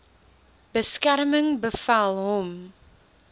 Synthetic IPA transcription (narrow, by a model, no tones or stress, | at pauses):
b̥əskæɾəməŋbəfalˠɦɔm